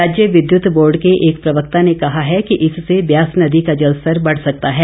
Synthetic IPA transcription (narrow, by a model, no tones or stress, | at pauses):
aːd͡ʒjəʋɪd̪jʊt̪boːɾɖkeʔeːkpɾɐʋək̚t̪anekɐɦaɦɛkiʔɪsːebjaːsnɐd̪ikad͡ʒɐlsəɾbɐɽ̤sɐk̚t̪aɦɛː